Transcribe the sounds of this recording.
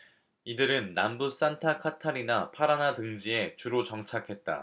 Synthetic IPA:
idɯɾɯnːambus͈antʰakʰatʰaɾinapʰaɾanatɯŋd͡ʑie̞t͡ɕuɾot͡ɕʌŋt͡ɕʰakʰe̞t̚t͈a̰

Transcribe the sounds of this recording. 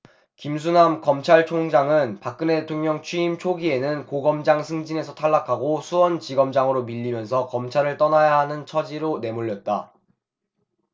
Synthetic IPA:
kims̬ʰunamkʌmt͡ɕʰaɭt͡ɕʰoŋd͡ʑaŋɯnpak̚k͈ɯneetʰoŋɲʌŋt͡ɕʰɥiimt͡ɕʰoɡie̞nɯnkoɡʌmd͡ʑaŋsʰɯŋd͡ʑine̞sʰʌtʰaɭːakʰaɡosʰuwʌnt͡ɕiɡʌmd͡ʑaŋɯɾomiʎːimjʌns̬ʰʌkʌmt͡ɕʰaɾɯɭt͈ʌnajaɦanɯnt͡ɕʰʌd͡ʑiɾone̞moʎːʌt̚t͈a̰

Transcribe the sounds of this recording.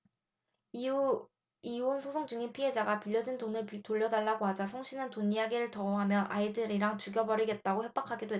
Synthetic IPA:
iuonsʰosʰoŋd͡ʑuŋipʰie̞d͡ʑaɡapiʎːʌd͡ʑintonɯɭpitoʎːʌdaɭːaɡoɦad͡ʑasʰoŋɕʰinɯntonijaɡiɾɯɭtʌoɦamjʌnʔaidɯɾiɾaŋt͡ɕuɡjʌbʌɾiɡe̞t̚t͈aɡoɸjep͈akʰaɡedoɦe

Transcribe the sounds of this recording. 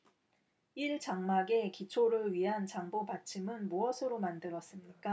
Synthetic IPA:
iɭt͡ɕaŋmaɡe̞kit͡ɕʰoɾɯɭɥiɦant͡ɕaŋbobat͡ɕʰimɯnmuʌsʰɯɾomandɯɾʌs͈ɯmɲik͈a

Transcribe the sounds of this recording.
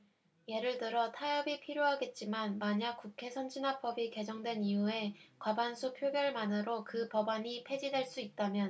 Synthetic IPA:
je̞ɾɯɭtɯɾʌtʰajʌbipʰiɾjoɦaɡe̞t̚t͡ɕ͈imanmaɲak̚k͈ukʰe̞sʰʌnd͡ʑinap͈ʌbike̞d͡ʑʌŋdwe̞niue̞kwabansʰupʰjoɡjʌɭmanɯɾokɯpʌbaɲipʰe̞d͡ʑidwe̞ɭs͈uit̚t͈amjʌn

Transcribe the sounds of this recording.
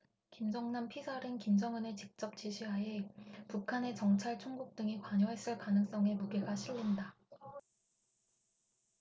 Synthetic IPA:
kimd͡ʑʌŋnampʰisʰaɾinkimd͡ʑʌŋɯnet͡ɕik̚t͡ɕ͈ʌp̚t͡ɕ͈iɕʰiɦaepukʰane̞t͡ɕʌŋt͡ɕʰaɭt͡ɕʰoŋɡuk̚t͈ɯŋikwaɲʌɦe̞s͈ɯɭkanɯŋs͈ʌŋe̞muɡe̞ɡaɕʰiɭːinda

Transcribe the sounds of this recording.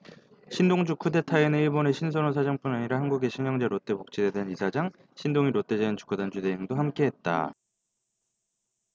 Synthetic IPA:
ɕʰindoŋd͡ʑukʰude̞tʰaenɯniɭbone̞ɕʰins̬ʰʌnos̬ʰad͡ʑaŋp͈unaɲiɾahanɡuɡe̞ɕʰiɲjʌŋd͡ʑeɾot͈e̞pok̚t͡ɕ͈idedeanisʰad͡ʑaŋ | ɕʰindoŋiɾot͈e̞d͡ʑeant͡ɕu̥kʰudand͡ʑude̞iŋdohamk͈e̞ɦet̚t͈a̰

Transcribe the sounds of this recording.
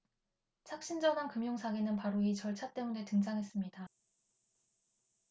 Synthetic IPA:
t͡ɕʰak̚ɕ͈ind͡ʑʌnankɯmjoŋsʰaɡenɯnpaɾoit͡ɕʌɭt͡ɕʰat͈e̞mune̞tɯŋd͡ʑʰaŋɦe̞s͈ɯmɲida

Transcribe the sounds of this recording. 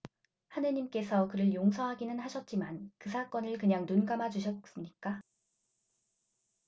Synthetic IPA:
hanɯɲimk͈e̞sʰʌkɯɾɯɭjoŋsʰʌɦaɡinɯnɦaɕʰʌt̚t͡ɕ͈imankɯsʰak͈ʌnɯɭkɯɲaŋnunɡamad͡ʑuɕʰʌt̚s͈ɯmɲik͈a

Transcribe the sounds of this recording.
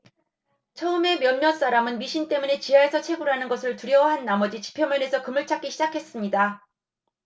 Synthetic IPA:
t͡ɕʰʌɯme̞mjʌnmʌns͈aɾamɯnmiɕʰint͈e̞mune̞t͡ɕiɦaesʰʌt͡ɕʰe̞ɡuɾɦanɯnɡʌsʰɯɭtuɾjʌwaɦanːamʌd͡ʑit͡ɕi̥pʰjʌmjʌne̞sʰʌkɯmɯɭt͡ɕʰak͈ʰiɕʰid͡ʑakʰe̞s͈ɯmɲida

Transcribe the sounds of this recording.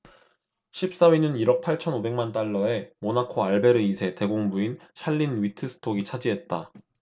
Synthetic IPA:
ɕʰip̚s͈awinɯniɾʌk̚pʰaɭt͡ɕʰʌnobe̞ŋmant͈aɭːʌe̞monakʰoaɭbe̞ɾɯisʰe̞te̞ɡoŋbuinɕʰaɭːinɥitʰɯsʰɯ̥tʰoɡit͡ɕʰad͡ʑiɦe̞t̚t͈a

